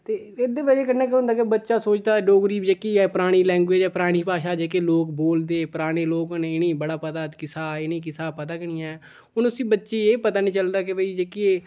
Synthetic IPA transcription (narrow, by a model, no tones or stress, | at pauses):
t̪eː | ed̪eːʋəd͡ʒeːkənẽːkɦʊ̃nd̪aːkebətːʃaːsoːt͡ʃd̪aːɖoːɡɾiːbd͡ʒeːkiːɛːpəɾaːɽ̃iːlɛ̃ːŋɡeːd͡ʒɛːpɾaːɽ̃iːpaːʃaːd͡ʒeːkeːloːkboːld̪eːpəɾaːɽ̃eːloːkneɪneːbəɽaːpət̪aːkɪsaːɪneːkɪsaːpət̪aːkəɽ̃ijãːɛː | ʊnʊsĩːbətːʃeːeːpət̪aːnĩːt͡ʃəld̪aːkɪbəiːd͡ʒeːkieː